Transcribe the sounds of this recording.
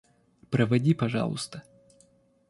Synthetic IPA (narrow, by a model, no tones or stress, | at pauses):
pɾəvɐdʲipɐʐɑ̰lˠʊ̰st̪ə